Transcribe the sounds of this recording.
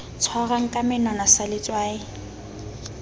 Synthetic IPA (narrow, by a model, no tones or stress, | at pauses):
t͡sʰwɔɣaŋ̩kʼamɪnanasalɪt͡sʼwaːɪ